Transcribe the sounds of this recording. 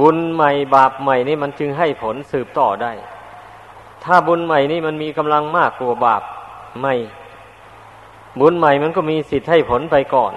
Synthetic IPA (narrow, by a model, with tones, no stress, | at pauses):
bu˧˥nma˨˩jbaː˨˩p̚ma˨˩jniː˥˩ma˧˥˨nt͡ɕɯ˧ŋɦa˧˩jpʰo˨˦˥nsɯː˨˩p̚t̪ɔː˧˩da˧˥˩j | t̪ʰaː˧˩bu˧˥nma˨˩jniː˧˥˩ma˧˥˨nmiː˧˥˨ka˧mla˧ŋmaː˥˩kːuː˧˩ɐbaː˨˩p̚ma˧˩j | bu˧˥nma˨˩jma˧˥˨nkɔː˧˩miː˧˥si˨˩t̪̚ha˧˥˩jpʰo˨˦npa˧jkɔː˨˩n